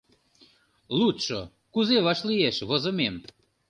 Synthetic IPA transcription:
lut̪ʃo̰ | kuzeβɑʃlijeʃβozəmem

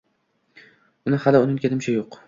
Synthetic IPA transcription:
ʊnɪhalɪʊnɪŋkʲʰed̪ɪmt͡ʃʰajoq

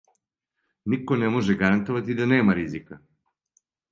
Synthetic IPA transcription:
nikonɛmoʒɛɡaɾant̪oʋat̪id̪aneːmaɾizika

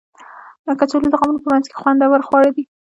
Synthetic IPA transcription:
kat͡ʃalod̪əɣɑmunopəmanzke̥xwand̪awəɾxwɑɽid̪i

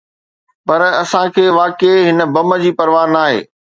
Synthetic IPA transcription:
pɐɾɐsãkʰeːʋaːkeɦɪnə̆bɐmə̆d͡ʑiːpɐɾʋaːɾnaːɦḛː

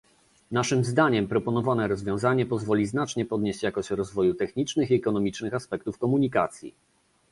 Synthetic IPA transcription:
naʂɘmzd̪aɲɛmpɾɔpɔn̪ɔvanɛɾɔzvʲjɔ̃w̃zaɲɛpɔzvɔlʲiznat͡ʂɲɛpɔd̪ɲeɕt͡ɕjakɔɕt͡ɕɾɔzvɔjut̪ɛxɲit͡ʂnɘxiɛkɔnɔmʲit͡ʂnɘxaspɛk̚t̪ufkɔmuɲikat̪sʲjḭ

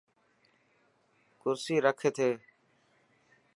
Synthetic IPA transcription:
kʊɾsiːɾəkʰeːt̪ʰeː

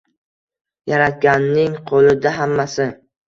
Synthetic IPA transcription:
jaɾat̪̚ɡʲanːɪŋqʰolˠɪd̪aɦamːasɪ

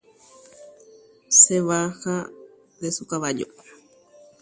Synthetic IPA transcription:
seβaxa | d̪esukaβaʎo̰

